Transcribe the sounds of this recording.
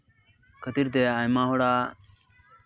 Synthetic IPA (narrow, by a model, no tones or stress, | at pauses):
kʰət̪iɾt̪̬eaːjmãːɦoɽaː